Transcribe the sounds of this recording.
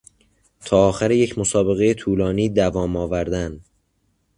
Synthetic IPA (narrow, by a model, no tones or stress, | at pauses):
t̪ʰɒːɒːxæɾeje̞cʰmosɒːbe̞ɣe̞jet̪ʰuːlɒːniːd̪ævɒːmɒːvæɾd̪æn